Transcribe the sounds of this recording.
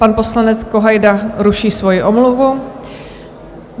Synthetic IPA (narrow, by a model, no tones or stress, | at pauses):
panpo̞slanɛt͡skoɦajdaɾuʃiːsvo̞jɪʔomluvu